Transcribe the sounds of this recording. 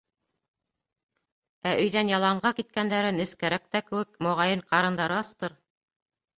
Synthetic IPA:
æʔɵ̆jðænjɑlˠɑɴɢɑkit̪̚kænd̪æɾɘnɘ̆skæɾæk̚t̪ækɘ̆wɘkmŏʁɑjɤɴqɑɾɤ̆nd̪ɑɾɤɑst̪ɤɾ

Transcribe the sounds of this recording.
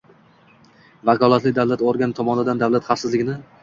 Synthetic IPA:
vakʰɒlˠat̪lɪd̪avlat̪oɾɡʲant̪ʰɒmɒnɪd̪and̪avlˠat̪χafsɪzlɪɡʲɪnɪ

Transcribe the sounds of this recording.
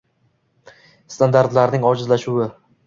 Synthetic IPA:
st̪ʰand̪aɾt̪laɾnɪŋɒd͡ʒɪzlaʃuwɪ

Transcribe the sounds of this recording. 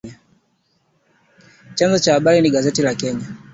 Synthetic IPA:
a | t͡ʃanzɔt͡ʃahaɓaɾiniɡazɛtilakɛɲa

